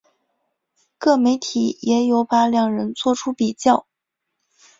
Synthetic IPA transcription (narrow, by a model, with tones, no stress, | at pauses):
kɤ˥˩me˧˥ɪt̪ʰi˨˩˦jɛ˧˥jo˧˥ʊpa˧˥ljɑ˨˩ŋɻə˧˥nt͡swɔ˥˩ʈ͡ʂʰu˥pi˨˩t͡ɕjɑ˥˩ʊ